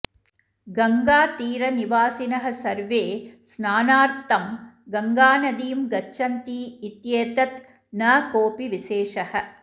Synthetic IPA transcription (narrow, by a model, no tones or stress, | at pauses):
ɡɐŋɡaːt̪iːɾɐniʋaːsinɐɦɐ̆sɐɾʋeːsnaːnaːɾt̪ɐm | ɡɐŋɡaːnɐd̪iːmɡɐt͡ʃːɐnt̪iːt̪jeːt̪ɐt̪ | nɐːkoːpiʋiʃeːʂɐhɐ̆